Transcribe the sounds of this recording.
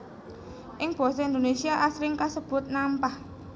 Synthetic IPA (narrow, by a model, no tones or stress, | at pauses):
ʔɪŋb̥ɔ̤s̬ɔind̪onesiaʔasɾɪŋkasəb̥ʊ̤t̪̚nampah